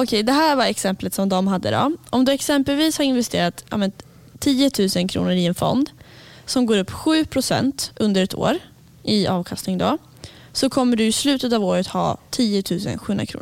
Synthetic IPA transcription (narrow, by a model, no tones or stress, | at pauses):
ɔkʰɛjd̪ɛɦæːɾvaɾɛksɛmplət̪sɔmd̪ɔmɦad̪ːə̰d̪ɔ̰ʔɔmd̪ɵɛksɛmpɛlviːshaɪnvɛst̪ḛːɾat̪jɑ̰ːmɛn | t̪ʰːiːət̪ʰʉ̟ːsənkʰɾṵːnəɾɪɛnfɔ̰nd̪ | sɔmɡoːɾɵpːɧʉ̟ːpʰɾʊsɛ̰nt̪ʔɵnd̪əɾɛt̪ʰo̰ːɾ | ʔɪɑːvkʰast̪ɪŋd̪ɔ | sɔkʰɔmːəɖɵɪslʉ̟ːt̪ət̪ɑːvoːɾət̪hɑ̰ːt̪ʰiːʊt̪ʰʉ̟ːsə̰nɧʉɵnɾakʰɾṵn